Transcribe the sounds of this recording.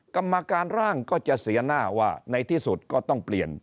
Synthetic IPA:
ka˧mːa˧kaː˧nɾaː˥˩ŋkɔː˥˩t͡ɕa˨˩ʔsi˨˩˦ɐnaː˥˩waː˥˩na˧jt̪ʰiː˥˩su˨˩t̪̚kɔː˥˩t̪ɔ˥˩ŋpli˨˩ən

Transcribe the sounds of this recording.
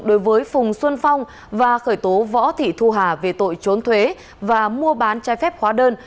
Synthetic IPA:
ɗo˨˦jvəː˨˦jfʊ˨˩ŋ͡mswə˧nfa˧wŋ͡m | vaː˨˩xəː˧˩jt̪o˨˦vɔ̰˧˥t̪ʰḭ˧˨t̪ʰu˧ɦaː˨˩ve˨˩t̪o̰˧˨jt͡ɕo˨˦nt̪ʰwe˨˦ | vaː˨˩mu˧əɓaː˨˦nt͡ɕaː˨˦jfɛ˦˥p̚hwaː˨˦ɗəː˧n

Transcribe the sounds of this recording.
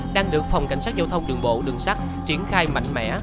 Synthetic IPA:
ɗaː˧ŋɗɨ˨˩ək̚fa˨˩wŋ͡mka̰˨˩jŋ̟saː˦˥zaː˧wt̪ʰə˧wŋ͡mɗɨ˨˩əŋɓo̰˧˨ɗɨ˨˩əŋsa˦˥k̚ | t͡ɕi˨˧˩ənxaː˧jma̰˧˨jŋ̟mɛ̰˧˨˥

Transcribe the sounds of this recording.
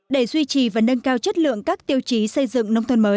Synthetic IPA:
ɗe˧˩zwi˧t͡ɕi˨˩vaː˨˩nə˧ŋkaː˧wt͡ɕə˦˥t̚lɨ̰˧˨əŋkaː˦˥k̚t̪i˧əwt͡ɕi˨˦sə˧jzɨ̰˧˨ŋnə˧wŋ͡mt̪ʰə˧nməː˨˦j

